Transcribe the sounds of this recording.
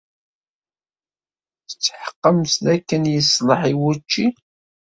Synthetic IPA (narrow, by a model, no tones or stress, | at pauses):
θət͡sːħə̥qːəmsðækːənjəsləħiwut͡ʃːi